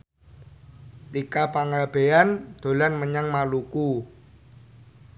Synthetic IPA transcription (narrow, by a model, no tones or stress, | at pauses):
t̪ikapaŋab̥e̤and̪̥o̤lanməɲaŋmaluku